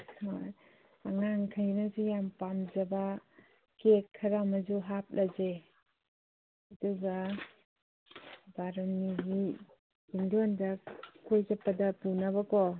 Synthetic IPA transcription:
a | aŋaŋkʰajnazujampamzaba | kekʰːɐɾamazuɦap̚lʔaze | duɡa | baɾaniɡi | bindondakojzapːadapunaβakɔ

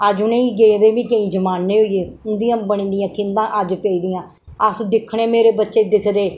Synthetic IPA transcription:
əd͡ʒʊnẽːiːɡeːd̪eːʋĩːkəĩːd͡ʒəmaːnːẽːɦoieːʊnd̪ɪjãːbəɳĩːd̪ɪjãːkɪ̃nd̪ãːʔəd͡ʒpeːiːd̪ɪjãː | əsd̪ɪkʰːɽ̃eːmeːɾeːbətːʃeːd̪ɪkʰd̪eː

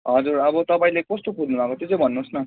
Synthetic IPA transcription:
ɦʌd͡zurʌbʌt̪ʌpaĩlekʌst̪okʰudnubʱakot̪jot͡sʌ̃bʱʌnːusnʌ

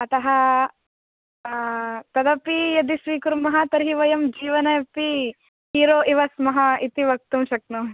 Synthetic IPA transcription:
ɐt̪ɐɦɐ | t̪ɐd̪ɐpijɐd̪isʋiːkuɾmɐɦat̪ɐɾɦiʋɐjɐmd͡ʒiːʋɐnɐjɐpi | iːɾoːʔiʋɐsmɐɦɐit̪iʋɐk̚t̪umʃɐk̚nu

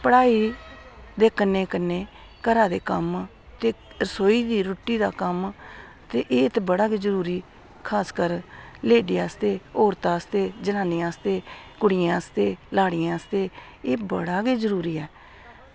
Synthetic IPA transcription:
pəɽaːiː | d̪eːkənːeːkənːeː | kəɾaːd̪eːkəm | t̪eːɾəsoːiːd̪iːɾʊʈːiːd̪a̰ːkəm | t̪eːʔeːt̪ebəɽaːɡiːzəɾuːɾiː | kʰaːskəɾleːɖijaːst̪eːoːɾt̪aːəst̪eːd͡ʒənãːnɪãːst̪eːkʊɽɪjãːəst̪eːlaːɽɪjãːəst̪eː | eːbəɽaːɡeːd͡ʒəɾuːɾiːɛː

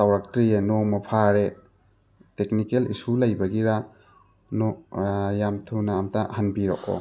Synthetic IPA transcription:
sawɾak̚tɾijenomɐpʰaɾe | tek̚nikelḭsulɐjbɐɡiɾa | nojamtʰunaːmtahanbiɾo̰k̚o̰

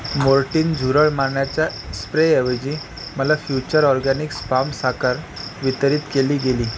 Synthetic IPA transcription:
moɾʈiːnd͡zʱuɾəɭmaɾɳjat͡ɕja | spɾeeʋəd͡ʑiː | məlafjut͡ɕəɾɔɾɡanikspamsakəɾ | ʋit̪əɾiːt̪keliːɡeliː

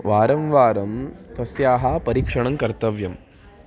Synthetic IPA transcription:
ʋaːɾɐmʋaːɾɐmt̪ɐsjaːɦɐpɐɾiːkʂɐɳɐŋkɐɾt̪ɐʋjɐm

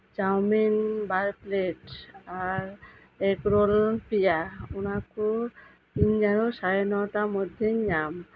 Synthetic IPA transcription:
d͡ʒawminbaɾpleʈaɾ | ekɾolpijaunaku | iɲd͡ʒanɔsajnɔʈamɔd̪ʱjeɲam

